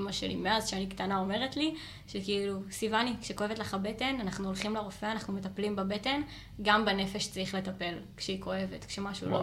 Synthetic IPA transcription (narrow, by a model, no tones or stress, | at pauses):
maʃelḭmezʃeanikt̪anao̞me̞ʁetli | ʃekiilusivanikʃeko̞evetleχabe̞te̞nanaχnuolχimleʁo̞feanaχnume̞t̪aplimbebe̞te̞n | ɡambene̞fe̞ʃt͡sʁiχle̞tape̞lkʃeiko̞e̞ve̞t̪kʃe̞maʃṵlo